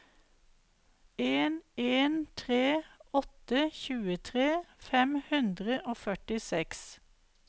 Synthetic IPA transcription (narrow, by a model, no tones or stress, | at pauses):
eːneːnt̪ʰʁeːɔt̪əçʉːət̪ʰʁeːfɛmhʉnd̪ʁəʔoːfœʈɪsɛks